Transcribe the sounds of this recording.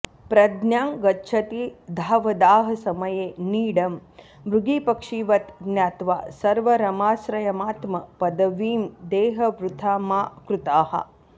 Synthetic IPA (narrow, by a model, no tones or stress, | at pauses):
pɾɐd̪njaːŋɡɐtːʃʰɐt̪id̪ʱaːʋɐd̪aːɦɐsɐmɐjeːniːɽɐm | ʋɾuɡiːpɐkʂiːʋɐt̪njaːt̪ʋa̰ːsɐɾʋɐɾɐmaːsɾɐjɐmaːt̪mɐpɐd̪ɐʋiːmd̪eːɦɐʋɾut̪ʰaːmaːkɾut̪aːɦɐ̰